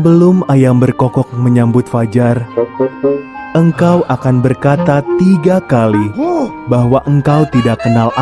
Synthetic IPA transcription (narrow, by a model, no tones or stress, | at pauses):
əbəlʊmajambərkɔkɔk̚məɲambʊt̪fad͡ʒar | əŋkawʔakanbərkat̪at̪iɡakalibaɦwaʔəŋkawt̪idakːənala